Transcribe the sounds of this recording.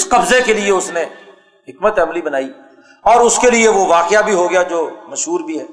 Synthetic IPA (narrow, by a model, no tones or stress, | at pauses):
ɪsqɐbzekelieʊsnẽ | ɦɪkmət̪ɐmlibɐnaːi | ɔːɾʊskelieʋoʋaːqɪjabʱiɦoɡɪjad͡ʒoːmɐʃɦuːɾbʱiɦɛː